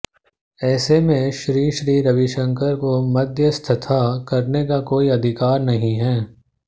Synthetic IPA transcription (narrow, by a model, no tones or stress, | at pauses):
ɛːsemẽʃɾiːʃɾiːɾɐʋɪʃə̃ŋkəɾkomɐd̪ʱjəst̪ʰɐt̪ʰakɐɾnekakoːiɐd̪ʱɪkaːɾnɐɦĩɦɛː